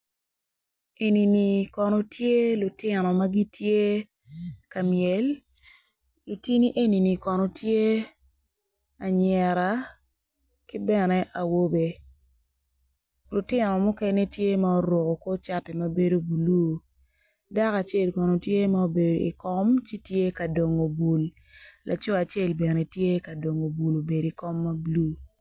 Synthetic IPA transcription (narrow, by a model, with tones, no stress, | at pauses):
e˨ni˨ni˨kɔ˨nɔ˨tʰje˦lʊ˨tɪ˨nɔ˨ma˦ɡi˦tje˦ | ka˨mjɛ˨l | lo˨ti˦ni˦ʔe˦ni˨ni˨kɔ˨no˨tje˦ | a˨ɲɛ˨ɾa˨ | ki˦bɛ˦nɛ˦ʔa˨wo˦be˨ | lʊ˨tɪ˦nɔ˨mʊ˦kɛ˦ne˦tje˦ma˦o˦ɾwo˨ko˨ko˦t͡ʃa˦ti˨ma˦be˦do˦bu˨lu˦˨ | da˦ka˨t͡ʃe˦˨lkɔ˨no˨tje˦ma˦o˦be˨do˨ḭ˨kɔ˦mt͡ʃi˦tje˦ka˨do˨ŋo˨bu˨l | lʔa̰˨t͡ʃo˦a˨t͡ʃe˦˨lbɛ˨ne˨tje˦ka˨do˨ŋo˨bu˨lo˨be˨ɾi˨kɔ˦mːa˦bu˨luː˦